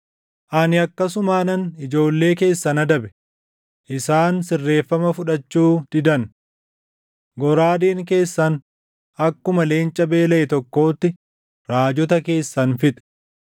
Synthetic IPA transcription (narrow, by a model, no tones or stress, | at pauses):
ʔɐnɪɐkːɐsʊmaːnɐnɪd͡ʒo̞ːlːe̞ːke̞ːsːɐnɐd̪ɐbɛ̥ | ʔɪsaːnsɪrːe̞ːfːɐmɐfʊᶑɐt͡ʃːuːd̪̥ɪd̪ɐn | ɡɔɾaːd̪iːŋke̞ːsːɐn | ɐkːʊmɐle̞ːnt͡ʃʼɐbe̞ːlɐʔɛt̪ɔkːo̞ːt̪ːɪ | ɾaːd͡ʒɔt̪ɐke̞ːsːɐnfɪt̪ʼɛ̥